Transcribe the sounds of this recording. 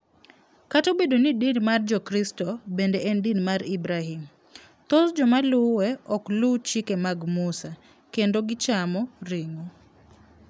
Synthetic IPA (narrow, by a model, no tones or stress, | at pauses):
katobedonidinmard͡ʒɔkɾistɔbendeʔɛndinmaɾibɾaɦim | t̪osd͡ʒɔmalʊwɛɔklʊt͡ʃikemaɡmusa | kendoɡɪt͡ʃamɔrɪŋo